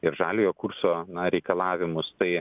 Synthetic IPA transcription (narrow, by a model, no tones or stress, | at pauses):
ɪɾʒɑːlʲɪjoːkuɾsoːnɐɾʲɛɪkɐlˠɑːʋʲɪmʊst̪ɐɪ